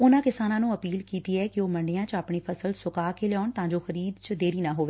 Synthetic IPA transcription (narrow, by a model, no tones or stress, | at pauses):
ʊnãːkɪsaːnãːnũːəpiːlkiːt̪iːɛːkɪoːməɳɖejãːt͡ʃaːpɳeːpʰəsəlsʊkaːkeːleɔːɳt̪ãːɲd͡ʒoːxəɾiːd̪t͡ʃd̪eːɾiːnãːɦoːʋeː